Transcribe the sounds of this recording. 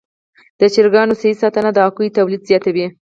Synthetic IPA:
d̪̥ət͡ʃɪɾɡɑnosaisɑt̪ənad̪əɑkujt̪awlid̪zjɑt̪awi

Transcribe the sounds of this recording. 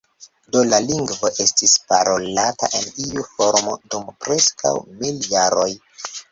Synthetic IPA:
do̞laliŋɡvo̞ʔe̞stispaɾo̞lata̰ʔe̞niufo̞ɾmo̞̰dumpɾe̞skʰa̰wmiljaɾo̞j

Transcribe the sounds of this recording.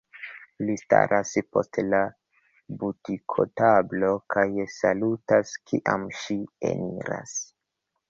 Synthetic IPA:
lista̰ɾʔaspo̞̰stla | butikʰo̞̰tablo̞kʰajsalutaskʰiʔamʃiḛniɾa̰s

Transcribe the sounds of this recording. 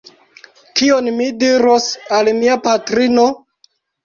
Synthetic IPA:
kionmidiɾosalmiapatɾino

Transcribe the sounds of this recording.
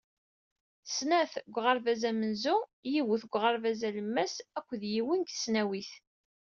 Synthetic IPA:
snæθɡʷʁɑɾvæzæmənzujiwəθɡʷʁɑɾvæzæləmːæsækʷːðjiwinɡə̥snæwiθ

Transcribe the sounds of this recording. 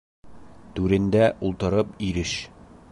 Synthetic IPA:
t̪ʉɾɘ̆nd̪æʔulˠt̪ɤ̆ɾɤpiɾɘʃ

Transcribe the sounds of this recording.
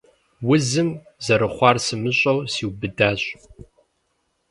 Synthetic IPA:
wʊzɨm | zɐɾɨχʷɑːrsɨmɨɕʼɐwsiːwbɨdaːɕʼ

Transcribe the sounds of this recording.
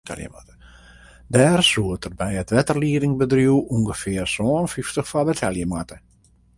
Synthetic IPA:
ɛ̰ljə̰atə | dɛːrsuətərbɛjətʋɛtərliːɾɪŋbədruwuŋɡəfɪərsoːnfiftəχfabətʰɛljəmatə

